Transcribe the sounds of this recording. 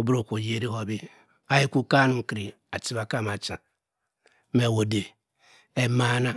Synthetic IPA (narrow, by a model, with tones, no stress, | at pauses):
o˦bɾo˨kʷo˨je˦ɾi˦ɦo˨bi˦ | a˦i˦kʷu˦ka˦nu˦˨ki˨ɾi˨ | a˨ti˦βa˨ka˦˨ma˨t͡ʃã˨˦ | me˨wo˨de˨ | e˦ma˦na˦